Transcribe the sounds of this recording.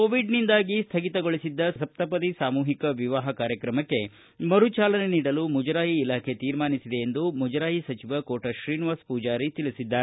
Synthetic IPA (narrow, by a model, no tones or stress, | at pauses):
koːʋiɖnind̪aːɡist̪ʰɐɡit̪ɐɡoɭisid̪ːɐsɐp̚t̪ɐpɐd̪isaːmuːɦikɐʋiʋaːɦɐkaːɾjɐkɾɐmɐkːe̞ | mɐɾut͡ʃaːlɐne̞niːɽɐlumud͡ʒɐɾaːɦiːlaːkʰe̞t̪iːɾmaːnisid̪eːnd̪umud͡ʒɐɾaːɦisɐt͡ʃiʋɐkoːʈɐʃɾiːniʋaːspuːd͡ʒaːɾit̪ilisid̪ːaːɾe